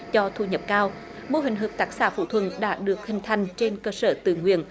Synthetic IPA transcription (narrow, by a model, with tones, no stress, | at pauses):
t͡ɕɔ˧t̪ʰṵ˧˩ɲə˨˩p̚kaː˧w | mu˧əɦï˨˩ŋ̟ɦəː˨˩p̚t̪aː˨˦˥k̚sa̰ː˧˩fṵ˧˩t̪ʰwə̰˧˨nɗa̰ː˧˥ɗɨ˨˩ək̚hï˨˩ŋ̟t̪ʰa˨˩jŋ̟t͡ɕe˧nkəː˧səː˧˩t̪ɨ̰˧˨ŋwḭ˧˨ən